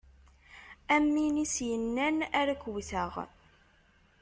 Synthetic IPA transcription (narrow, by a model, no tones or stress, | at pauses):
æmːinisjənːænæɾækwθəʁ